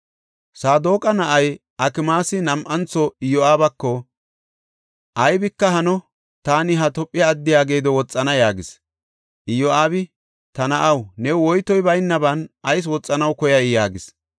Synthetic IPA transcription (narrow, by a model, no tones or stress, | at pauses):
saːd̪oːkʼɐnɐʔɐj | ɐkɪmaːsɪnɐmʔɐnt͡sːɔɪjɔaːbɐkːɔ | ʔɐjbɪkːɐɦɐnɔ | t̪aːnɪɦɐt̪ɔpʼːɪjɐːd̪ːɪjaːɡe̞ːd̪ɔwɔt͡sʼːɐnɐjaːɡɪs | ʔɪjɔaːbɪ | t̪ɐnɐʔɐwnɛwɔjt̪ɔjbɐjnːɐbɐnʔɐjs̬wɔt͡sʼːɐnɐwkɔjɐjjaːɡɪs